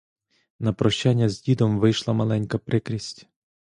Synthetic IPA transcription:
nɐpɾɔʃt͡ʃanʲːɐzʲdʲid̪ɔmʋɪjʃlˠɐmɐlˠɛnʲkɐpɾɪkɾʲisʲtʲ

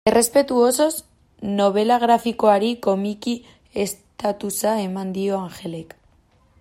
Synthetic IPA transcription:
e̞re̞spe̞t̪uoso̞s | no̞β̞e̞laɣ̞ɾafiko̞aɾiko̞miki | e̞st̪at̪usae̞mand̪io̞aŋxe̞le̞k

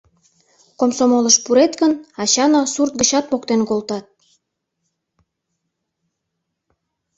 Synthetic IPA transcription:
komsomoləʃpuɾet̪ɣənɑɕɑnɑsurt̪̚ɡə̆t͡ɕɑt̪̚pokt̪enkolt̪ɑt̪̚

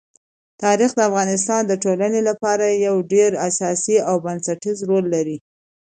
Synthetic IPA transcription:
t̪ɑɾixd̪əafɣɑnɪs̬t̪ɑnd̪əʈolanelapɑɾajawɖeɾasɑsiawbansaʈizɾolːaɾi

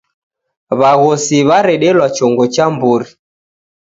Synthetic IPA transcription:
βaɣɔsiβaɾɛɗɛlwat͡ʃɔŋɡɔt͡ʃambuɾi

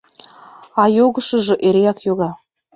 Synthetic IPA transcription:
ɑjoɣɤ̆ʃɤ̆ʒɤ̆ʔeɾejɑkjoɣɑ

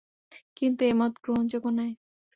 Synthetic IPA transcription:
kint̪uemɔt̪ɡɾoɦond͡ʑoɡonae

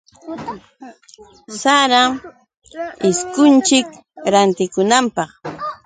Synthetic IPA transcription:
saɾa | ɪskʊnt͡ʃɪk | ɾant̪ɪkʊnampɑχ

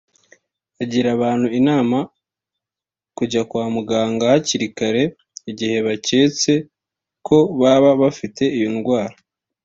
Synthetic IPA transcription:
aɟiɾaβaːn̥huinaːma | kuɟakwaːmuɡaːŋɡahaciɾikaɾe̞ | iɟihe̞βace̞t͡se̞ | kʰo̞βaβaβafite̞ijonɡwaːɾa

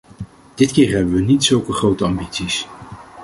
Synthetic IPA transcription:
d̥ɪtkɪːɹɦɛbəʋənitsɵlˠkəχrowtəɑmbitsis

